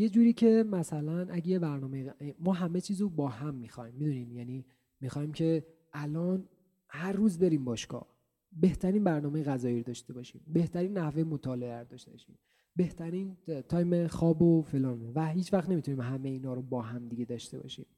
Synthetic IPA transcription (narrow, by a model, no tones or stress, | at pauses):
je̞d͡ʒuːɾiːcʰe̞mæsælænʔæɟejebæɾnɒːmejemɒːɦæme̞t͡ʃʰiːzobɒːhæmːixɒjmːid̪unimjæni | mixɒːimcʰe̞ | ʔælɒːn | hæɾːuːzbe̞ɾiːmbɒːʃkɒ̰ | be̞ht̪ʰæɾiːnbæɾnɒːmejeɣæzɒːjiːɾod̪ɒʃt̪e̞bɒʃḭːmbe̞ht̪ʰæɾiːnːæhvejemot̪ʰɒːleeæɾd̪ɒʃt̪e̞b̥ɒʃḭːm | be̞ht̪ʰæɾiːnt̪ʰɒːjmexɒːbofe̞lɒːnevæhiːt͡ʃvæχt̪ne̞mit̪ʰuniːmɦæmejeiːnɒːɾobɒːɦæmd̪iɟe̞d̪ɒːʃt̪e̞bɒ̰ʃḭːm